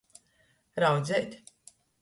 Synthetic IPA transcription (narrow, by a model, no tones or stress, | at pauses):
ɾawd̪zʲɛt̪ʲ